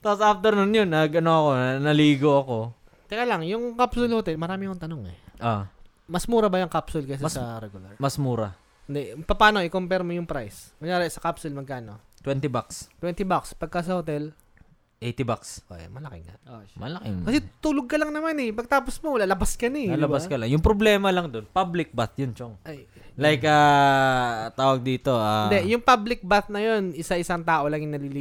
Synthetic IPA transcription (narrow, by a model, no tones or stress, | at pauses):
t̪aposaft̪ɛɾnʊnjonːɐɡɐnoɐko̞nnɐliːɡoɐko̞ | k̪ɐjalaŋjʊŋkapsʊlhot̪ɛlmɐɾaːmɪɐkoŋt̪ɐno̞ŋɛ̰ʔo | mɐsmuːɾɐbɐjɐŋkapsʊlkɐs̬ɐsɐɾɛɡʊlɐɹmɐsmuːɾɐ̰ | ɪnd̪ɛpɐpaːno̞ʔɪkompɛɾmojʊŋpɾajsmɐjaːɾɪsɐkapsʊlmɐɡ̚kaːno̞̰t̪wɛnt̪ibakst̪wɛnt̪ɪbakspɐɡ̚kas̬ɐhot̪ɛl | ʔejt̪ɪbaksʔo̰ʔɛ̰mɐlɐkɪŋa̰mɐlɐkɪŋkɐsɛt̪uːloɡ̚kɐlɐŋnɐmanɛpɐɡ̚t̪aːposmowɐlaːlɐbaskɐnɐɐlɐbaskɐlɐŋjʊŋpɾoblɛːmɐlɐŋd̪o̞npablɪk̚bat̪jont͡ʃoŋʔɐj | lajkaː | t̪aːwɐɡ̚d̪iːt̪oaɪnd̪ɛjʊŋpablɪk̚baθnɐjo̞nɪsaʔɪsaŋt̪aːʔo̞lɐŋjʊŋnɐliliː